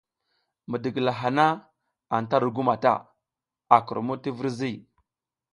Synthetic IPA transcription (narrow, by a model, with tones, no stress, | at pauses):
mə˨də˨ɡla˨ɦa˨na˦ | a˨nta˦ɾu˨ɡu˦ma˨ta̰˦ | a˨kɾmu˦ti˦və˦ɾzi˦˨